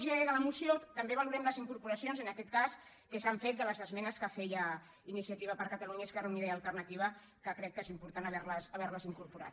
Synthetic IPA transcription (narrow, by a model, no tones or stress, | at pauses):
ʒeðələmusjot̪əmbeβəluɾɛmləziŋkuɾpuɾəsionzənəkɛt̪kas | kesaɱfet̪̚d̪ələzəzmɛnəskəfɛʎə | inisiət̪iβəpəɾkət̪aluɲəeskaɾəuniðɛəlˠt̪ərnət̪iβ̞ə | kəkɾɛkːezimpuɾt̪anəβɛɾləsəβɛɾləziŋkuɾpuɾa̰t̪